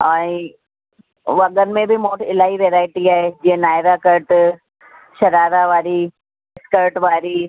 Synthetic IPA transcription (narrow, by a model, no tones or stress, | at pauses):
ɛ̃ːĩ | ʋɐɠənmẽbʱɪmoːʈʰɪlaːɦiʋeːɾaːɪʈiaːɦed͡ʑiːɦə̃naːɪɾakɐɾʈ | ʃɐɾaːɾaʋaːɾi | ɪskəɾʈʋaːɾi